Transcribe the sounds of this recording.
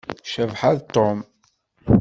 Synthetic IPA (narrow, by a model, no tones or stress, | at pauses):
ʃəvħaðt̪ːom